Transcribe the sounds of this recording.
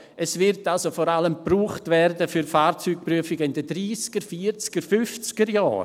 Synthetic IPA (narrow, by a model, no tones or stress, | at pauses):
ʔɛsvɪɾtalsofɔɾaləmpruːχtvɛɾdəfyɾfaːɾt͡syːk̚pryəfɪɡəɪndədɾiːsɡ̥əɾfiːɾt͡sɡ̥əɾfʏft͡sɪɡ̥əɾja̰ːɾ